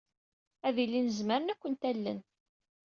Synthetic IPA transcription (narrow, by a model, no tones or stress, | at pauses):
æðilːinəzməɾənækʷːənt̪ælːə̰n